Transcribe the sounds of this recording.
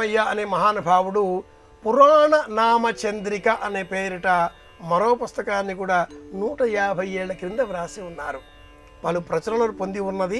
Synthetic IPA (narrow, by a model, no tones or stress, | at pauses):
ɐjːaɐneːmɐɦaːnɐbʱaːwuɽu | puɾaːɳɐnaːmɐt͡ʃɐnd̪ɾikɐʔɐne̞ːpeːɾiʈɐ | mɐɾo̞ːpust̪ɐkaːnːikuːɽaːnuːʈɐɛːɐbʱɐje̞ːɽlɐkɾind̪ɐʋɾaːsiunːaːɾu | pɐlupɾɐt͡ʃɐnɐlɐːpond̪iunːɐd̪i